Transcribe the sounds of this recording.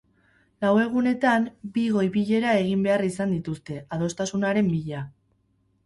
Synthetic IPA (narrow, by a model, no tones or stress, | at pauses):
lawe̞ɣ̞une̞t̪ambiɣo̞jβiʎe̞ɾae̞ɣ̞imbe̞arisand̪it̪ust̪e̞að̞o̞st̪asunaɾe̞mbiʎa